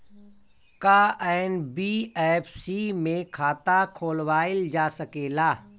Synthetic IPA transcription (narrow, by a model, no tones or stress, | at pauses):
kaːɛːnbiːɛːpʰsimẽkʰaːt̪akʰoːlwaːɪld͡ʒaːsəkeːlaː